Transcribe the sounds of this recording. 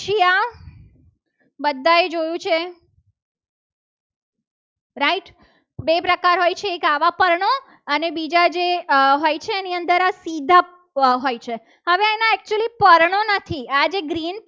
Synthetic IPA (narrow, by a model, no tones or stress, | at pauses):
ʃija | bəd̪ʱːaed͡ʒojũt͡ʃʰe | ɾaiʈ | bepɾəkaɾɦojt͡ʃʰeːkaʋapəɾɳo | ənebid͡ʒad͡ʒeɦojt͡ʃʰeːniənd̪əɾasid̪ʱa | ɦojt͡ʃʰe | həʋeɛnaɛk̚t͡ʃuəlipəɾɳonət̪ʰiad͡ʒeɡɾin